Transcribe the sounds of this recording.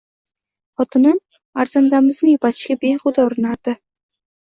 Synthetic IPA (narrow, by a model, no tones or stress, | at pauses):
χɒt̪ʰɪnɪm | aɾz̥and̪amɪznɪjʊpʰat̪ʰɪ̥ʃkʲabejχʊd̪aʊɾɪnaɾd̪̥ɪ